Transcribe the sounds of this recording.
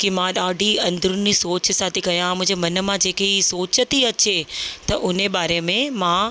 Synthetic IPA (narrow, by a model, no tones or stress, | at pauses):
kimãɗaːɖʱiɐ̃nd̪əɾʊnisoːt͡ɕsaːt̪ʰikɐjãmʊ̃ɦɪ̃d͡ʑemɐnə̆mãd͡ʑeːkeisoːt͡ɕət̪iɐt͡ɕet̪ɐʔʊneɓaːɾemẽmã